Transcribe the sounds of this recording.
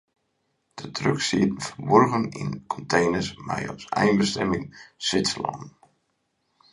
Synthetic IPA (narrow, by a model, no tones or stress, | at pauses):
d̥ətʰrøksiətən̩fərbɔrɣəninkʰɔntʰejnəsmɛjɔ̰sɛjnbəstɛmɪŋsʋɪtslɔ̰nn